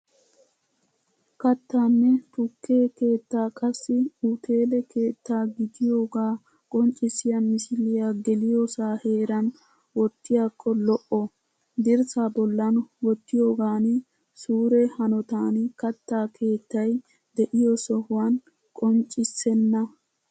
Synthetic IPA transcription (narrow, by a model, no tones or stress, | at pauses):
kɐt̪ːaːnːɛt̪ʊkːe̞ːke̞ːt̪ːaːkʼɐsːɪut̪ʰe̞ːlɛkʰe̞ːt̪ːaːɡɪd̪ɪjo̞ːɡaː | kʼɔnt͡ʃʼɪsɪjɐmɪsɪlɪjaɡɛlɪjɔsaːhe̞ːɾɐn | wɔt̪ːɪjakʰːɔlɔʔɔ | d̪ɪɾsabɔlːɐnʊwɔt̪ːɪjoːɡaːn | suːɾɛhɐnɔt̪aːnkɐt̪ːaːkʰe̞ːt̪ːɐj | d̪ɛʔɪjɔsɔhʊwan | kʼɔnt͡ʃʼːɪsɛnːɐ